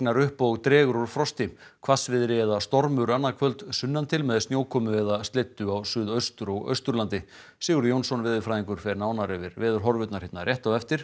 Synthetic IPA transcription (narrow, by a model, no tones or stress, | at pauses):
naɾʏhpowɣt̪ɾɛːɣʏɾɔɾfɾɔst̪ɪm | kʰvasvɪðɾɪɛðast̪ɔɾmʏɾanːakʰvœlt̪sʏnːant̪ʰɪlmɛðsnjoːwkʰɔːmʏɛðast̪let̪ːʏawsʏːðœɥst̪ʏɾɔɣœ̰ɥst̪ʏɾlant̪ɪ | siːɣʏɾjownsɔnvɪːðɪɾfɾajðiŋkʏɾ̥fɛɾɪnaːwnaɾɛvɪɾvɪːðʏɾ̥ɦɔɾvʏt̪naɾ̥hɪt̪naɾrjɛht̪awɛft̪ɪɾ̥